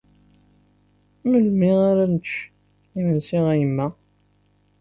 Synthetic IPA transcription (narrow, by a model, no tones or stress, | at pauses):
məlmiʁaɾænət͡ʃː | imənsiʁæjəmːæ